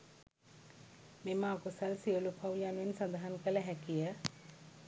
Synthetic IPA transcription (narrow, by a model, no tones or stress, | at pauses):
memaːkusɐlsiolupʰɐwjanʋensɐd̪aɦənkələɦɛkijə